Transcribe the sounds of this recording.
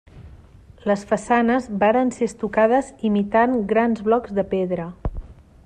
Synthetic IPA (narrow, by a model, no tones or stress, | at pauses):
ləsfəsanəzbaɾənseəst̪ukað̞əzimit̪aŋɡɾanzβlɔɡzðəpeðɾə